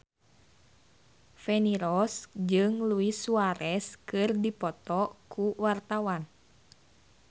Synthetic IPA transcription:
fɛniɾɔsd͡ʒɨŋluisuaɾɛskɨrdipɔt̪ɔkuwart̪awan

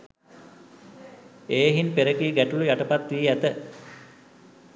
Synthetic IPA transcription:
eːɦinpeɾəkiɡæʈulujaʈəpat̪ʋiːæt̪ə

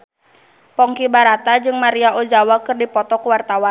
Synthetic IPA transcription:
pɔŋkibaɾat̪ad͡ʒɨŋmaɾiaʔod͡ʒawakɨrdipɔt̪ɔkuwart̪awan

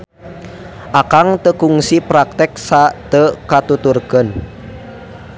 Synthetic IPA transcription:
ʔakaŋt̪əkuŋsipɾak̚t̪ɪk̚sat̪əkat̪ut̪urɡ̥ə̤n

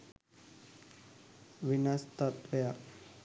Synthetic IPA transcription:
ʋinast̪at̪ʋeja

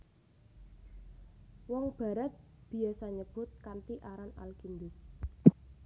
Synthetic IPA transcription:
wɔŋb̥a̤ɾat̪̚b̥i̤asaɲəb̥ʊ̤t̪̚kant̪iʔaɾana̰lkind̪ʊs

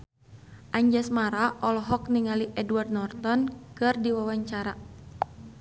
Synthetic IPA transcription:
ʔaɲd͡ʒasmaɾaʔɔlɔɦɔkniŋaliʔɛduard̪nɔrt̪ɔnkɨrdiwawaɲt͡ʃaɾa

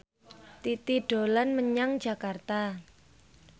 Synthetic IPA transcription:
t̪it̪iɖ̥o̤lanməɲaŋ̥d͡ʒ̥a̤kart̪a

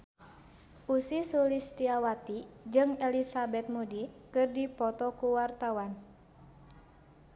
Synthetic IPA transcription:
ʔusisulist̪iawat̪id͡ʒɨŋɛlisabɛt̪̚mudikɨrdipɔt̪ɔkuwart̪awan

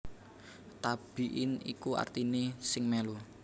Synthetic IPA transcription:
t̪ab̥i̤ʔɪnḭkua̰rt̪inesɪŋmɛlu

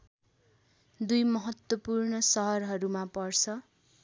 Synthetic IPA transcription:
d̪ujmʌɦʌt̪wʌpurnʌsʌɦʌrɦʌɾumapʌrt͡sʰʌ

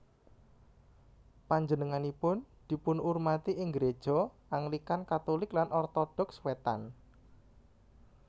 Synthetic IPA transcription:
paɲd͡ʒənəŋanipʊnd̪̥i̤pʊnurmat̪iʔɪŋɡɾe̥ʒ̥ɔ | aŋlikankat̪olɪklanʔɔrt̪ɔɖ̥ɔ̤kswet̪a̰n

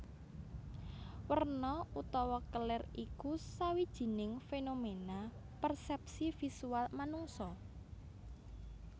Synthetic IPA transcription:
wərnɔut̪ɔwɔkəlɪrikusawid̥ʒ̥i̤nɪŋfenomena | pərsɛp̚sifisualmanuŋsɔ

